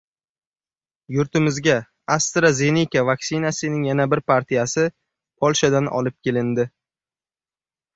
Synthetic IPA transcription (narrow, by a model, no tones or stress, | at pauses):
jʊɾt̪ʰɪmɪzɡʲa | ast̪ɾazenikʲavaksɪnasɪnɪŋjanabɪɾpʰaɾt̪ʰijasɪ | pʰɒlˠʃad̪anʔɒ̰lɪp̚kʲʰe̞lɪnd̪ɪ